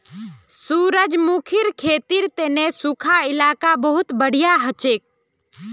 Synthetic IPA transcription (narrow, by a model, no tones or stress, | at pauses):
suːɾəd͡ʒmuːkʰɪɾkʰeːt̪iɾt̪eːnẽsukʰaɪlaːkabəɦʊt̪bəɽ̤ijaɦət͡ʃeːk̚